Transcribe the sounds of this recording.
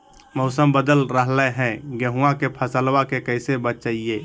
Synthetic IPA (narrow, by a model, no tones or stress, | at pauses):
mɔʊsəmbəd̪əlɾəɦlɛɦɛ̃ɡəɦuãkepʰəsəlwakekəɪsebətt͡ʃaie